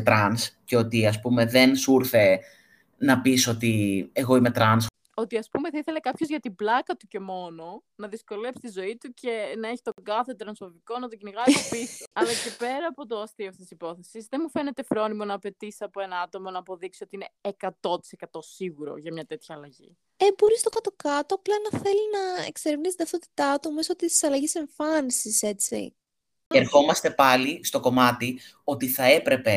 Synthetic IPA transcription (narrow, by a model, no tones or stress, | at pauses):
t̪ɾɐnsceo̞t̪iɐspume̞ðensuɾθe̞ | nɐpiso̞t̪ieɣo̞imet̪ɾɐns | o̞t̪iɐspumeθɐiθelekɐpço̞zʝɐt̪iblɐkɐt̪uce̞mo̞no̞ | nɐðisko̞le̞pst̪izo̞it̪uce̞nɐeçi̥t̪oɡɐθe̞t̪ɾɐnsfoviko̞nɐt̪̬ociniɣɐɾtopisiɐlɐce̞pe̞ɾɐːpo̞t̪oɐst̪ioft̪isisipo̞θe̞sizðe̞nmufe̞ne̞t̪e̞fɾo̞nimo̞nɐːpe̞t̪isiɐpo̞e̞nɐɐt̪o̞mo̞nɐːpo̞ðiksio̞t̪iine̞ːkɐt̪o̞t̪i̥se̞kɐt̪o̞siɣuɾo̞̰ʝɐmɲɐt̪e̞t̪çɐːlɐʝḭ | ebo̞ɾist̪o̞kɐt̪o̞kɐt̪oɐplɐenɐθe̞linɐḛkseɾivnist̪ðɐfθot̪i̥t̪ɐt̪umisoot̪isi̥sɐlɐʝise̞ɱfɐnisise̞t͡sḭ | eɾxo̞mɐst̪e̞pɐlist̪o̞ko̞mɐt̪i | o̞t̪iθɐe̞pɾe̞pe̞